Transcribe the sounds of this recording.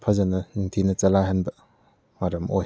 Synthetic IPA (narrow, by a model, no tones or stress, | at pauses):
pʰɐzɐnɐniŋtʰinɐt͡ʃɐlaɦɐnbɐ | maɾɐmo̰j